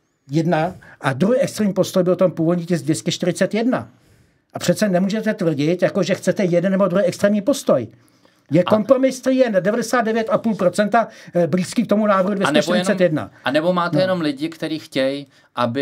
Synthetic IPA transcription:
jɛdnaʔad̪ɾuɦiɛkst̪ɾɛːmɲiːpo̞st̪ojbɪlot̪ompuːvodɲiːt̪ɛzdvjɛscɛʃt̪ɪɾɪt͡sɛt̪jɛdna̰ | ʔapr̝̥ɛt̪t͡sɛnɛmuːʒɛt̪ɛt̪vr̩ɟɪt̪jako̞ʒɛxt͡sɛt̪ɛjɛdɛnːɛbodɾuɦijɛkst̪ɾɛːmɲiːpo̞st̪o̞j | jɛko̞mpɾo̞mɪst̪ɾijɛndɛvadɛsaːd̪dɛvjɛt̪apuːlpɾo̞t͡sɛnt̪abɾiskikt̪omunaːvr̩ɦudvjɛsnɛʃt̪ɪɾɪt͡ssɛt̪jɛdna̰anɛbomaːt̪ɛjɛnomlɪɟɪkt̪ɛɾiːxcɛj | ʔabɪ

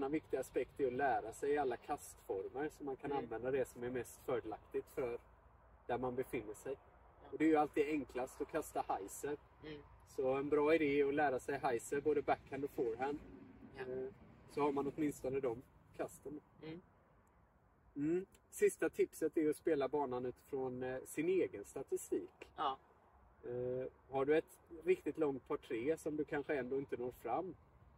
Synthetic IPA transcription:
nːavɪk̚t̪ɪɡaːspɛkt̪æɾɔlæːɾasɛjɪalːakʰast̪fɔɾməɾsɔmːankʰananːvɛnd̪ad̪ɛsɔmæɾmɛst̪fœːɖəlakt̪ɪt̪fœɾ | d̪̥æɾmanbɛfɪnːəʂɛj | ɔd̪ɛːɾjɵalt̪iːd̪ɛŋklast̪ɔkʰast̪ahajsəɾ | sɔɛnbɾɑːɪd̪eːɔlæːɾasɛjɦajsəɾboːd̪əbækːhænd̪ɔfɔɾɦænd̪ | sɔhaɾmanɔt̪mɪnst̪ɔnəd̪ɔm | kʰast̪əɳa | m̩ːsɪst̪at̪ʰɪpsət̪æjɔspeːlabɑːnanʉ̟ːt̪ɪ̥fɾonsɪneːɡənst̪at̪ɪst̪iːk | haɖɵɛt̪ | ɾɪkt̪ɪt̪lɔŋt̪̚pʰɑʈʰːɾeːsɔmd̪ɵkʰanɧəɛnd̪oːɪnt̪ənoːɾfɾamː

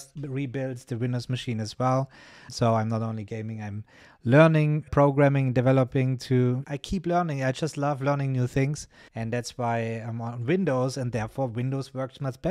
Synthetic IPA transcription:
stɹibɪlˠdzðɨwɪ̃ndoʊzmɨʃĩːnɨzwɛlˠ | soʊãɪ̃mnəɾõʊ̃nliɡẽɪ̃mɪ̃ŋãɪ̃m | lɜ˞nɪ̃ŋpʰɹ̥oʊɡɹæmɪ̃ŋndɨvɛləpɪ̃ŋtʰuʔaɪkʰiplɜ˞nɪ̃ŋaɪd͡ʒʌstˡlʌvlɜ˞nɪ̃ŋnjuθɪ̃ŋz̥ | ɨ̃ndðætswaɪãɪ̃mə̃n̩wɪ̃ndoʊzɨ̃ndðɛɹfɔɹwɪ̃ndoʊzwɜ˞k̚tʰmʌt͡ʃb̥ɛ

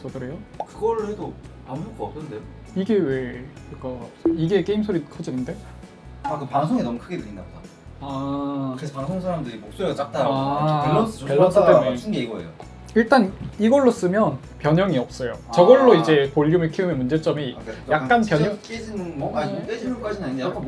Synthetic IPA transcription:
t͡ɕʌkɯɾe̞jokɯɡʌɾhedo | amuk͈oːp̚s͈ʰʌdeo | iɡe̞we̞kɯɯk͈ʌs͈iɡe̞k͈eimsʰoɾikʰʌd͡ʑinɯnde̞ | akɯpaŋsʰoŋenʌmukʰɯɡedɯɾindaboda | aɯɾes̬ʰopaŋsʰoŋs̬ʰaɾamdɯɾimok̚s͈oeat͡ɕ͈ak̚t͈aeɭːʌspeɭːʌs͈it͈em͈ʰɯnɡeiɡʌḛjo̰ | iɭt͈aniɡʌɭːos͈ɯmjʌn | pjʌɲʌŋiʌp̚s͈ʌjo̰t͡ɕʌɡʌɭːoid͡ʑe̞poʎːumeɭkʰiɯmemund͡ʑe̞t͡ɕ͈ʌmikjak̚k͈anpjʌɲʌked͡ʑinɯnoadeiok͈ad͡ʑinaɲinde

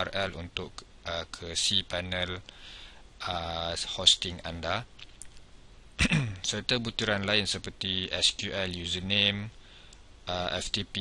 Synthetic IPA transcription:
arɛlṵnt̪ʊʔ | əkʰəsipanə̃l | əhɔst̪ɪŋa̰nda | sərt̪əbut̪uɾanlaɪnsəpərt̪iɛskjuʔɛljuzənẽm | ʔəɛ̰ft̪ipi

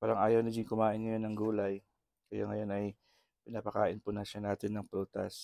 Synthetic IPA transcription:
paːɾɐŋʔaːjɐwnɐɡɪŋkʊmaːʔɪnŋɐjo̞nːɐŋɡuːlɐj | kɐja̰ŋɐjo̞nɐj | pɪnaːpɐka̰ːʔɪnpʊnɐʃanaːt̪ɪnːɐŋpult̪ɐ̰s

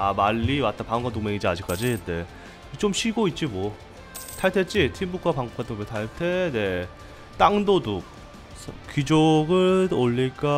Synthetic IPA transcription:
amaʎːiwat͈apaŋɯŋɡaduk̚meŋid͡ʑiad͡ʑik͈ad͡ʑine̞ | it͡ɕomɕʰiɡoit̚t͡ɕ͈ibʌ | tʰaɭtʰet͡ɕ͈itʰimbukʰwapaŋɡok͈ʰatʰɯmetʰaɭtʰene̞ | t͈aŋdoduk̚ | sʰkid͡ʑoɡɯoʎːik͈a

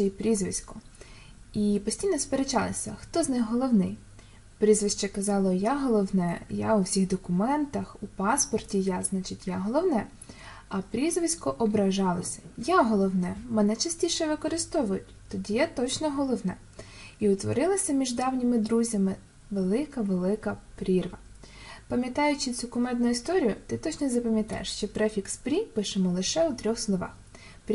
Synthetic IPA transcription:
ɛjpɾʲizʋɪsʲkɔ | ipɔsʲtʲijnɔspeɾet͡ʃɑlˠɪsʲɐ̰xt̪ɔznɪxɦɔlˠɔwnɪj | pɾʲizʋɪʃt͡ʃɐkɐzɑlˠɔjaɦɔlˠɔwnɛja̰ʊwsʲiɣd̪ɔkʊmɛnt̪ɐxupɑspɔrtʲijaznɑt͡ʃɪtʲjaɦɔlˠɔwnɛ | ɐpɾʲizʋɪsʲkɔʔɔbɾɐʒɑlˠɐsʲɐ̥jaɦɔlˠɔwnɛmenɛt͡ʃɐsʲtʲiʃɛʋɪkɔɾɪst̪ɔʋʊjʊtʲt̪ɔdʲijat̪ɔt͡ʃnɔɦɔlˠɔwnɛ̰ | iʊt̪ʋɔ̰ɾɪlˠɐsʲɐmʲiʒd̪ɑwnʲimɪd̪ɾuzʲɐmɪ | ʋelˠɪkɐʋelˠɪkɐpɾʲirʋɐ | pɐmʲjɐt̪ɑjʊt͡ʃɪt͡sʲukʊmɛd̪nʊist̪ɔɾʲijʊt̪ɪt̪ɔt͡ʃnɔzɐpɐmʲjɐt̪ɑ̰jḛʃt͡ʃɛpɾɛfʲikspɾʲipɪʃemɔlˠɪʃɛʊt̪ɾʲɔxslˠɔʋɑ̰x | pʲ

